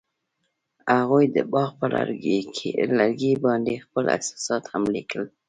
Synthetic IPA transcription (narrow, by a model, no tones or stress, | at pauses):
aɣujd̪əbɑɣpəla̰ɾʰelaɾɡibɑnd̪expəla̰sɑ̥sɑt̪hamlikʰəl